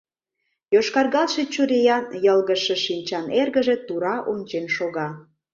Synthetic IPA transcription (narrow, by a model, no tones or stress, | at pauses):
joʃkɑrɣɑlʃet͡ɕuɾejɑnjəlɣəʃeʃinʲt͡ɕɑnerɣəʒe̽t̪uɾɑʔonʲt͡ɕenʃoɣɑ